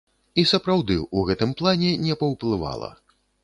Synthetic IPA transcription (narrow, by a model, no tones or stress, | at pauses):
isɐpɾawd̪ɨuɣɛt̪ɨmplˠanʲɛnʲɛpɐwplˠɨva̰lˠɐ̰